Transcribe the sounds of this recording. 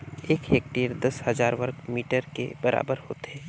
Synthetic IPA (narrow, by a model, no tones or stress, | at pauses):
eːkɦeːk̚ʈeːɾd̪ɐshɐzaːɾʋɐɾkmiːʈəɾkḛbɐɾa̰ːbəɾhoːt̪ɦɛː